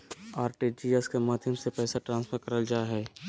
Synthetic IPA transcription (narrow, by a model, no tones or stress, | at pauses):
aːɾʈid͡ʒiːɛskemaːd̪ʱjəmsepɛːsaʈɾãːnspʰəɾkəɾəld͡ʒaːɦɛː